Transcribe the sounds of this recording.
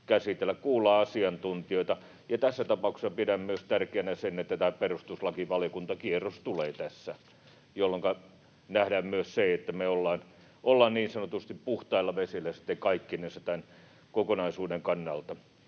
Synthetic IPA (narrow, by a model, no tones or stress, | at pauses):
kæsit̪elːækkuːlˑɑːɑsiɑnt̪unt̪ioit̪ɑ | jɑt̪æsːæt̪ɑpɑukse̥sɑpiɾæmmyøst̪ærkeænæsenet̪ːæt̪æːperust̪uslɑkiʋɑljokunt̪ɑkierost̪uleːt̪æsːæ | jolːoŋkɑ | næhdæːmmyøsseet̪ːæmeolːɑːn | ʔolːɑːnniːnsɑnot̪ust̪ippuht̪ɑilːɑʋesilːæsi̥t̪ːekɑikːinisæt̪æn | kokonɑisuːdeŋkɑnːɑlt̪ɑ